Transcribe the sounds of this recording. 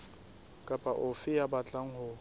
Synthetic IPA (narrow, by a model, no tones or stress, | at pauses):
kʼapʼaʔʊfɪjabat͡ɬʼaŋ̩hʊ